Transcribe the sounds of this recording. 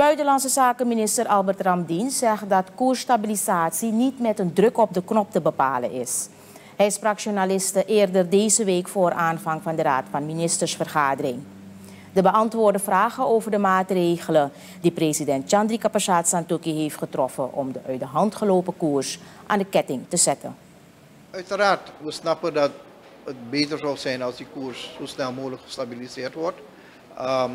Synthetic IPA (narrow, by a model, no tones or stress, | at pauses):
əb̥œɥtəlɑnsəzaːkəminɪstərʔɑlˠbərtrɑmdinsɛχdɑtkuːrstabilizaːtsinitmɛtəndrɵkɔp̚dəknɔp̚təbəpaːlə̰nɪs | hɛjɪsfrɑkʃonalɪstəʔɪːrdərdeːzəʋeːkfoːrʔaːnvɑŋvɑndəraːtfɑnminɪstəɹsfərχaːdərɪŋ | dəbəɑntʋoːrdəfraːχənoːvərdəmaːtreːɣələ | dipresidɛnt̚t͡ʃɑndrikapaʃaːtsantukiɦeːftχətrɔfənʔɔ̰mdəʔœɥtəɦɑntχəloːpəkuːrsʔa̰ːndəkɛtɪŋtəzɛtə̰n | œɥtəraːrtʋəsnɑpədɑt | ət̚beːtəɹzɑlˠsɛjnɑlˠsdikuːɹsːoːsnɛlˠmuːləkχə̥stabilizɪːrtʋɔrt